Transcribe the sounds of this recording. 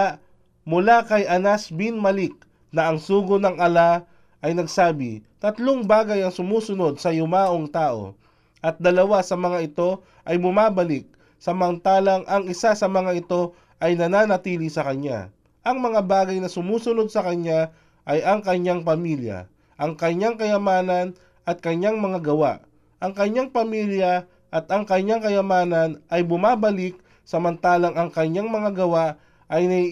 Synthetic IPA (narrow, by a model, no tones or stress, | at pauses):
mʊlakɐjʔɐnasbinmɐlɪk̚ | nɐʔɐŋsuːɡʊnɐŋɐla | ʔɐjnɐɡsaːbɪ̰t̪ɐt̪loŋbaːɡɐjɐŋsʊmuːsʊno̞d̪̚sɐjʊmaːʔoŋt̪aːʔo̞̰ | ʔɐt̪̚d̪ɐlɐwasɐmɐŋaʔɪt̪o̞ | ʔɐjmʊmaːbɐlɪk̚ | sɐmɐnt̪aːlɐŋʔɐŋɪsasɐmɐŋaɪt̪o̞ | ʔɐjnɐnaːnɐt̪iːlisɐkɐɲa̰ | ʔɐŋmɐŋabaːɡɐjnɐsʊmuːsʊno̞d̪̚sɐkɐɲa | ʔɐjɐŋkɐɲjaŋpɐmiljɐ̰ | ʔɐŋkɐɲjaŋkɐjɐmaːnɐn | ʔɐt̪̚kɐɲjaŋmɐŋaɡɐwa̰ʔ | ʔɐŋkɐɲjaŋpɐmiːljɐ | ʔɐt̪ɐŋkɐɲjaŋkɐjɐmaːnɐnʔɐjbʊmaːbɐlɪk̚ | sɐmɐnt̪aːlɐŋɐŋkɐɲaŋmɐŋaɡɐwaʔ | ʔɐjnɐi